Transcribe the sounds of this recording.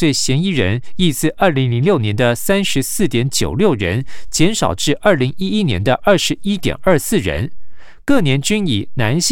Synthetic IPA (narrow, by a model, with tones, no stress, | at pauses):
we˥˩ɪɕjɛ˧˥ni˥ɻə̰˧˥ni˥˧sɹ̩˥˧ʔə˞˥˩li˧˥ŋli˧˥ŋljo˥˩ʊnjɛ˧˥nd̪ə˧sa˥nʂɻ̩˧˥sɹ̩˥˩t̪jɛ˧˥nt͡ɕjo˨˩ʊljo˥˩ʊɻə̰˧˥nt͡ɕjɛ˧˥nʂɑ˨˩ʊʈ͡ʂɻ̩˥˧ʔɐ˞˥˩li˧˥ŋi˥i˥njɛ̰˧˥nd̪ə˧ʔɐ˞˥˩ʂɻ̩˧˥i˥t̪jɛ̰˨˩nɐ˞˥˧sɹ̩˥˩ɻə̰˧˥n | kɤ˥˩njɛ˧˥nt͡ɕy˥ni˨˩na˧˥nɕ